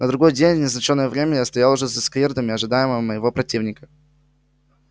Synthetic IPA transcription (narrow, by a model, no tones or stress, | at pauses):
nəd̪ɾʊɡo̞jdʲenʲvnʲɪznɐt͡ɕonːəjəvɾʲemʲəjast̪ɐjalˠʊʐɛsɐskvʲerd̪əmʲɪɐʐɨd̪ajɪməvəməjɪvo̞pɾɐtʲivnʲɪkə